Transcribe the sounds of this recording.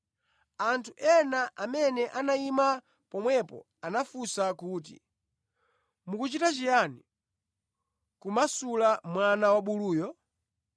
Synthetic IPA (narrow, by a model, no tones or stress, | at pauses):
antʰuʔɛnaʔamɛnɛʔanaima | pɔmwɛpɔ̰ | anafusakuːt̬ḭ | mukut͡ʃitat͡ʃijani | kumasulamwanawaɓuluːjɔ